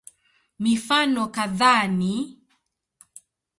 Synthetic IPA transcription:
mifanɔkaðani

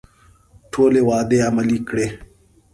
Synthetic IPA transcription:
ʈʰoːlewɑːd̪eamɐlikɽe

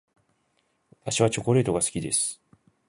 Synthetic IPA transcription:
βat̪aɕiβat͡ɕo̞ko̞ɾe̞ːt̪oɡasɨ̥kʲid̪e̞sɨ̥

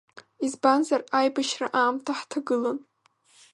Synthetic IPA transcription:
izbanzarajbaʃra̰ʔaːmtʰaħtʰaɡɨlon

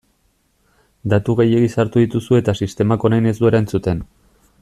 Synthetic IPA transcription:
d̪at̪uɣeje̞ɣisaɾt̪uðit̪usue̞t̪asist̪e̞mako̞najne̞zd̪ue̞ɾaent͡sut̪e̞n

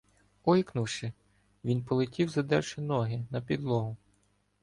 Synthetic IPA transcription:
ɔjiknuwʃɪ | ʋʲinpɔlˠɪtʲiwzɐd̪ɛ̰rʃɪnɔɦɪnɐpʲid̪lˠɔɦʊ

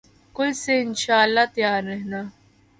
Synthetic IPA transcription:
kʊiseɪnʃaːəlːaːt̪jaːɾːɛɦnaː

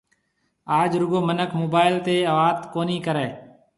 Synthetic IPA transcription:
aːd͡ʒɾʊɡoːmənəkʰmoːbaːɪlt̪eːəʋaːt̪koːniːkəɾeː

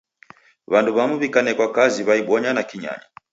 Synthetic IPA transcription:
βanduβamuβikanɛkwakaziβaiɓɔɲanakiɲa̰ɲi

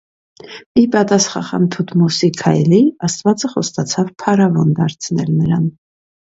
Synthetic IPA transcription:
ipɑt̪ɑsχɑχɑ̰nt̪ʰut̪ʰmɔsikʰɑjliɑst̪vɑt͡səχɔst̪ɑt͡sʰɑvpʰɑɾɑvɔnd̪ɑɾt͡sʰnɛlnəɾɑn

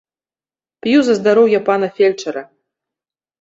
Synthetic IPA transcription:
pjuzɐzd̪aɾɔwjɐpanɐfʲelʲt͡ʂɐɾɐ

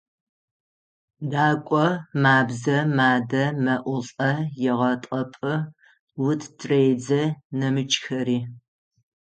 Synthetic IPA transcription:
daːkʷʼɔmaːbzɐmaːdɐmɐʔʷʊɬʼɐjɛʁɐtʼɐpʼɨ | wʊtʰtʰʼreːd͡zɐnɐmɨt͡ʃʼxɐɾiː

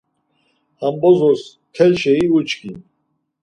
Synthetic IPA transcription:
hambɔzɔs | kʰɛlʃɛiut͡ʃkin

